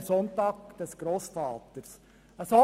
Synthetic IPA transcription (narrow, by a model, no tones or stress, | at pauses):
sɔntɑːk̚d̥ɛsɡ̥ɾoːsfɑːt̪əɾs | əsɔ